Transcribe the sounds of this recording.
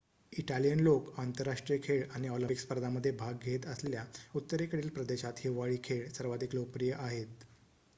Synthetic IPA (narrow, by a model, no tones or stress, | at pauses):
iʈalijənlokant̪əɾːaʂʈɾijəkʰeɭañiɔləpikspəɾd̪ʱaməd̪ʱːjebʱaɡɡʱet̪əsljaut̪ːəɾekəɽiːlpɾəd̪eɕat̪ɦiʋaɭiːkʰeɭsəɾʋad̪ʱiklopɾijəʔaɦet̪